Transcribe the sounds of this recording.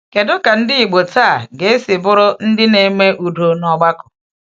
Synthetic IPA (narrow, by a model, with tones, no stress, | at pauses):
ke˨dʊ˦ka˨n̩˦dɪ˦i˨ɡ͡bo˨taː˦˨ɡe˨e˦sɪ˨bʊ˦ɾʊ˦n̩˦dɪ˦ne˨me˦ʔu˨do˨nɔ˨ɡ͡ba˦kʊ̥˨